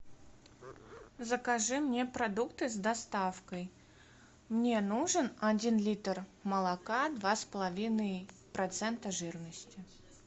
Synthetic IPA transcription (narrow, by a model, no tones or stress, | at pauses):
zəkɐʐɨmnʲepɾɐd̪ukt̪ɨzd̪ɐst̪afkəj | mnʲe̞nuʐɨnɐdʲinlʲit̪rməlˠɐkad̪vaspəlˠɐvʲinəj | pɾɐt̪sɛnt̪əʐɨrnəsʲtʲɪ